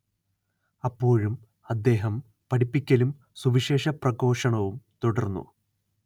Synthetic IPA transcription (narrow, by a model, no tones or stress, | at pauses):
ɐpːo̞ːɻum | ɐd̪ːe̞ːɦɐm | pɐɽipːikʲːɐlum | suʋiʂe̞ːʂɐprɐɡo̞ːʂɐɳɐʋumt̪uɽɐrnːṵ